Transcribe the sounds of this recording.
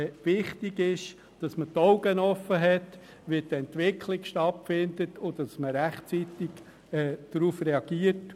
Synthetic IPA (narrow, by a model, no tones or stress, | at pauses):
ʋɪχtɪɡɪʃ | d̥ɑsmətɔʊɡənɔfəɦɛt | ʋɪdɛntʋɪkʰlɪkʃtɑtfɪndətʊd̥ɑsməɾæχt͡sitɪɡ | ɛd̥ɾuːfreɑɡ̥iət